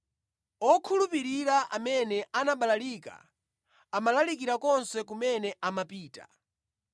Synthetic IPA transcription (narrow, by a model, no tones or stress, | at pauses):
ɔkʰulupiɾiɾaʔa̰mɛnɛʔanaɓalalika̰ | amalalikiɾakɔnsɛk̬umɛnɛamapiːta